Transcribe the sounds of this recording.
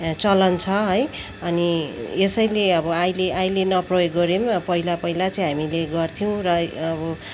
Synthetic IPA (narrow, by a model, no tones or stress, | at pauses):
t͡sʌlʌnt͡sʰʌɦʌj | ʌniesʌjleʌbʌajleʔajlenʌprojoɡːʌɾempʌɦilapʌɦilat͡sʌĩɦamileɡʌrt̪ʰiw̃rʌʌbʌ